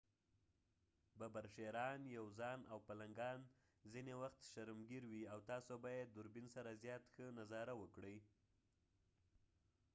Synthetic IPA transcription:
babaɾʃeɾɑnjawzɑnawpalaŋɡɑn | zinewaxt̪ʃaɾmɡiɾwiawt̪ɑsobɑjeːʊɾbinsaɾazjɑt̪xənazɑɾawəkɽəj

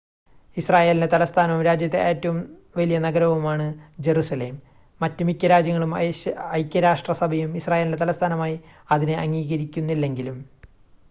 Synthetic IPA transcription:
israːje̞ːlindet̪ɐlɐst̪ʰaːnɐʋumɾaːd͡ʑjɐt̪ːe̞̰ʔeːtːɐʋum | ʋɐlijɐnɐɡɐɾɐʋumaːɳɨd͡ʑe̞ɾusɐle̞ːmː | ɐtːɨmikʲːɐɾaːd͡ʑjɐŋːɐɭumɐjkʲːɐɾaːʂʈrɐsɐbʱɐjumisraːjelinde̞t̪̬ɐlɐst̪ʰaːnɐmaːjiɐðinɨɐŋːiːɣɐɾikʲːunːilːe̞ŋɡilum

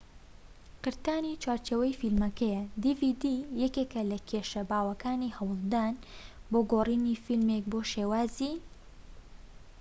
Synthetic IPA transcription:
qɨɾt̪aːnit͡ʃwaːɾt͡ʃeːwɐjfilmɐkɐjɐd̪ivid̪ijɛkeːkɐlɐkʰeːʃɐbaːwɐkaːnihɐwɨlˠd̪aːnboːɡoːriːnifilmek̚boːʃeːwaːziː

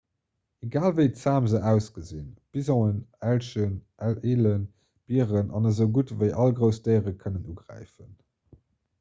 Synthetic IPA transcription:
eɡaːlvəɪt͡saːmzəʔæʊsɡ̥əzinb̥izõənælʃənʔæleːlən | b̥iəʁənʔɑ̰nəzəʊɡutvəɪʔɑlɡʁəʊsd̥əɪʁəkʰənənuːɡʁæ̰ɪfən

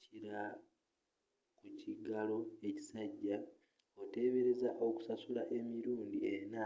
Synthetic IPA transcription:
iɾa | kuciɡalo̞e̞ci̥saɟːa | o̞te̞βe̞ɾe̞zaʔo̞ku̥sasulaʔe̞miɾuːndie̞na

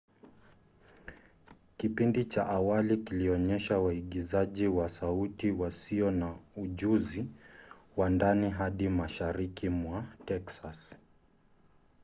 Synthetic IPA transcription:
kipindit͡ʃaʔawalikiliɔɲɛʃawaiɠizaʄiwasautiwasiɔnauʄuzi | wandaniɦaɗimaʃaɾikimwatɛksas

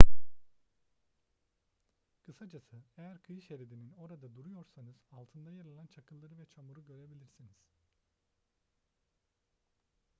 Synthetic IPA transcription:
kʰɯsad͡ʒasɯejæɾkʰɯjʃeɾed̪inino̞ɾad̪ad̪uɾujo̞ɾsanɯz̥alˠt̪ʰɯnd̪ajaɾɯlˠant͡ʃʰakʰɯlˠd̪ɯɾɯvɛt͡ʃʰamuɾuɟø̞ɾe̞bilʲiɾsiniz̥

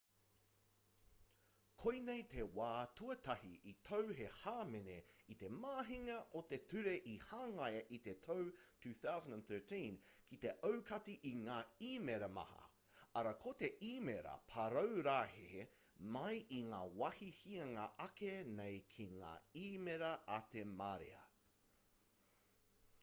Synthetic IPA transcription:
kʰojnejt̪ʰe̞waːtuɐt̪ɐhiʔit̪ʰowhehaːmeneit̪e̞maːɦiŋɐʔot̪etʉɾeʔihaːŋɐjɐʔit̪e̞tʰowtʰʉːθawzə̃ndnθɜ˞tĩnkʰit̪e̞ʔowkʰɐtiʔiŋaːiːmeɾɐmɐ̰hɐ̰ | ɐɾɐkʰot̪e̞ʔiːmeɾɐ̰pʰɐɾowɾaːhehe | mɐjʔiŋaːwɐhihiɐŋaʔɐkenejkʰiŋa̰ːiːmeɾɐʔɐt̪emaɾḛɐ̰

